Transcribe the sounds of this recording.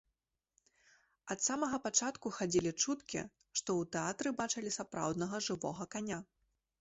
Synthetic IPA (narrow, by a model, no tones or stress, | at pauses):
ɐt̪samɐɣɐpat͡ʂat̪kuxad͡zʲilʲit͡ʂut̪kʲḭ | ʂt̪ɔwt̪ɛat̪ɾɨbat͡ʂɐlʲisapɾa̰wd̪nɐɣɐʐɨvɔ̰ɣɐkanʲa